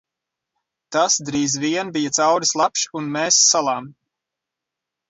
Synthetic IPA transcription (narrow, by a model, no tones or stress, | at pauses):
t̪asd̪ɾiːzviɛnbijat̪sawɾislˠapʃunmɛːsːalˠaːm